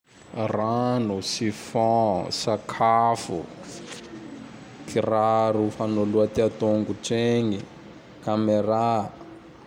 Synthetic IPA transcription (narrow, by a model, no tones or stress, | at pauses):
ranusifɔ̃sakʰafṵ | kʰiraɾufanoluat̪iat̪oŋɡuʈ͡ʂeŋi | kameɾa